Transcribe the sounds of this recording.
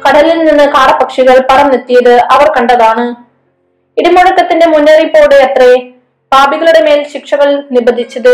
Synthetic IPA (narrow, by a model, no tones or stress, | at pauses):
kɐɽɐlilninːɨkaːɾɐpɐkʂiɣɐɭpɐrɐmnet̪ːijɐðɨʔɐʋɐrkɐɳɖɐðaːɳɨ | iɽimɐɽɐkːɐt̪ːinde̞munːɐripːoːɽejɐt̪re | paːbiɣɐɭuɽe̞me̞ːlɕikʂɐɣɐɭnibɐd̪ʱit͡ɕːɐðɨ